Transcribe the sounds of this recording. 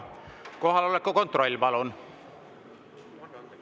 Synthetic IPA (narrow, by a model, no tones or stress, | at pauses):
ko̞ɦɑlolekːoko̞nt̪ro̞lʲːpɑlon